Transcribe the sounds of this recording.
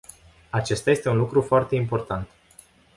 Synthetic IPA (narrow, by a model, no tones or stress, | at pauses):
at͡ʃe̞st̪aje̞st̪e̞unlukɾufoart̪e̞impo̞rt̪ant̪